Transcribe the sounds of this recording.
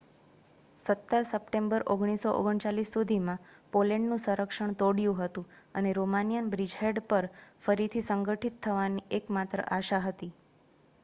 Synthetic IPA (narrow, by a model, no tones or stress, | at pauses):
sət̪ːəɾsəpʈembəɾʔoɡɳ̃isoʔo̰ɡəɳt͡ʃalisːud̪ʱimãpoleɳɖnũsə̃ɾəkʂəɳ̃t̪oɽjũɦət̪ũ | əneɾomanijənbɾid͡ʒɦeɖpəɾfəɾit̪ʰisəŋɡəʈʰit̪ʰːəʋaniekmat̪ɾə̰ʔaʃaɦət̪i